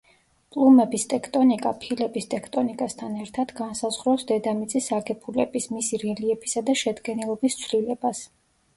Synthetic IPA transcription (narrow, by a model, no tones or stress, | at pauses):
pʼlˠumɛbist̪ʼɛkʰt̪ʼɔnikʼapʰilɛbist̪ʼɛkʰt̪ʼɔnikʼast̪ʰanɛɾt̪ʰad̪̥ɡansazʁɾɔsd̪ɛd̪amit̪sʼisaɡɛpʰulɛ̰bismisiɾɛliɛpʰi̥sad̪aʃɛd̪ɡɛnilˠɔbist̪sʰlilɛbas